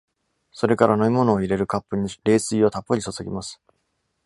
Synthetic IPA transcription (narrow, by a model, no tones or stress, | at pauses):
so̞ɾe̞kaɾano̞imo̞no̞ːiɾe̞ɾɯ̟kapːɯ̟ɲ̟iɾe̞ːsɨio̞t̪apːoɲ̟iso̞soɡʲimasɨ̥